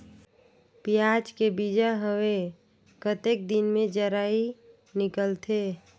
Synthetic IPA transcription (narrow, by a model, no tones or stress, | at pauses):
pijad͡ʒkebid͡ʒaɦəwe | kət̪ek̚d̪inmẽd͡ʒəɾaːi | nɪkəlt̪ʰe